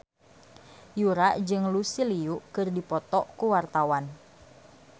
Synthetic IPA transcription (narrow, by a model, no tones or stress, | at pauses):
juɾaʔd͡ʒɨŋlusiliuʔkɨrdipɔt̪ɔʔkuwart̪awan